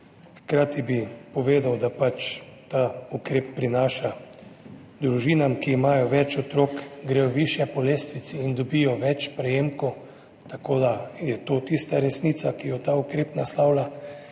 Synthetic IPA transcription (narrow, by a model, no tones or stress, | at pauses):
xkɾaːt̪ibipɔʋeːd̪awd̪apat͡ʃt̪aːukɾeːpːɾinaːʃa | d̪ɾuʒiːnamkiːmaːjɔʋɛt͡ʃɔt̪ɾoːkɡɾejɔwʋiʃjɛpɔleːst̪ʋit̪siːnd̪ɔbijɔʋɛt͡ʃpɾɛjeːmko | t̪akoːd̪ajɛt̪ot̪ist̪aɾɛsnit̪sakijɔt̪aukɾeːpnaslawla